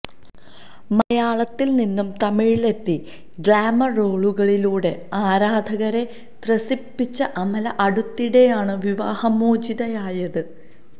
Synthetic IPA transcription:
mɐjaːɭɐt̪ːilninːumt̪ɐmiɻle̞t̪ːi | ɡraːmɐro̞ːɭuɣɐɭiluːɽe̞aːɾaːd̪ʱɐɣɐɾe̞ | t̪rɐsipːit͡ɕːɐʔɐmɐlɐʔɐɽut̪ːiɽe̞jaːɳɨʋiʋa̰ːhɐmoːd͡ʑiðɐjaːjɐðɨ

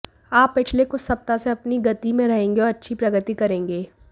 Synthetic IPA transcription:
aːpːɪt͡ʃʰlekosɐp̚t̪aseɐpniɡɐt̪imẽɾɐɦẽːŋɡeɔːɾɐtːʃʰipɾɐɡət̪ikɐɾẽːŋɡeː

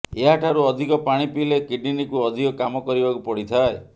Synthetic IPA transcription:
eɦaʈʰaɾuɔd̪ʱikɔpaɽ̃ipilekiɖinikuɔd̪ʱikɔkamɔkɔɾibakupɔɽit̪ʰae

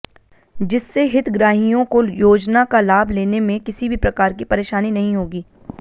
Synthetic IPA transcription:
d͡ʒɪsːeɦɪt̪ʰɡɾaːɦijõkojoːd͡ʒnakalaːbʱleːnemẽkɪsibʱipɾɐkaːɾkipɐɾeːʃaːninɐɦĩɦoːɡiː

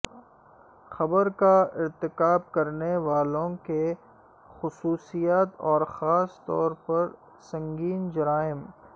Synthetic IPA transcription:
xɐbəɾkaɪɾt̪ɪkaːb̚kɐɾneʋaːlõke | xʊsuːsijaːt̪ɔːɾxaːst̪ɔ̰ːɾpɐɾ | sɐ̃ŋɡiːnd͡ʒɐɾaːɪm

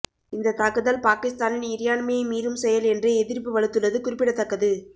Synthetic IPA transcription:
ɪnd̪ɐt̪aːkɯðɐlpaːkɪst̪aːnɪnɪɾɪjaːnmemiːɾɯmsɛjɐlɛndreɛðɪɾp̬ːɯʋɐɻɯt̪ːɯɭːɐðɯkʊrɪpːɪɽɐt̪ːɐkːɐðɯ

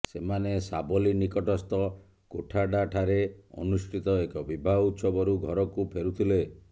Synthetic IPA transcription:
semanesabɔlinikɔʈɔst̪ɔ | koʈʰaɖaʈʰaɾeɔ̰nusʈʰit̪ɔekɔbibʱaut̪sɔbɔɾuɡʱɔɾɔkupʰeɾut̪ʰile

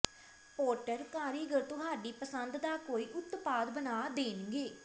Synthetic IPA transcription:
poːɾʈəɾkaːɾiɡəɾt̪ʊɦaːɖiːpəsənd̪d̪aːkoːiːʔʊt̪paːd̪bənaːd̪eːnɡeː

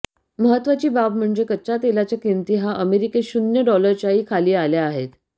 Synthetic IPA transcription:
məɦət̪ʋat͡ɕiːbabm̤əɳd͡ʑekət͡ɕat̪elat͡ɕjakint̪iːɦaʔəmeɾikeɕunjəɖɔləɾt͡ɕjaɦiːkʰaliːalaaɦet̪

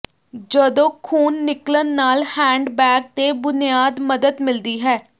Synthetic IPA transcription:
d͡ʒəd̪õːkʰuːnːɪklənːaːlhɛ̃ːɳɖbɛːk̚t̪eːbʊnijaːd̪məd̪əd̪mɪld̪iːɦɛː

